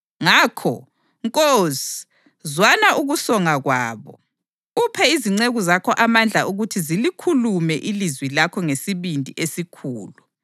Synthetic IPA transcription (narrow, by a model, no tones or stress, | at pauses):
ŋaːkʰɔ̰ | ŋkʼozi̥ | zwanaʔuɣusɔŋaɣwaːβɔ̰ | upʰɛiziŋ͡ǀeɣuzakʰɔʔamand͡ɮʱaʔuɣutʰizilikʰulumɛʔilizwilakʰɔŋesiβindʱiʔesikʰuːlu